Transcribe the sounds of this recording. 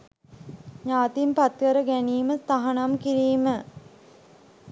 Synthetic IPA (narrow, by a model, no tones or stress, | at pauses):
ɲaːt̪impat̪kəɾəɡæniːməst̪aɦanamkiɾiːmə